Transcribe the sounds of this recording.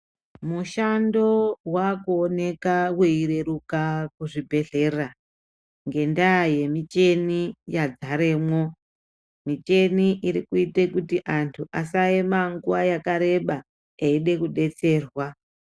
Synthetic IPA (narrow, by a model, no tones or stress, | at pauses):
muʃando̞wakuone̞kaweiɾe̞ɾukakuʐibʱe̞ɮe̞ra | ŋɡe̞ndaje̞mit͡ʃe̞nijad͡zaɾeːmwo̞ | mit͡ʃe̞niʔiɾikuitekutiʔantʰuʔasaemaŋɡuwajakaɾe̞ɓa | eiɗe̞kuɗe̞t͡se̞ːrwa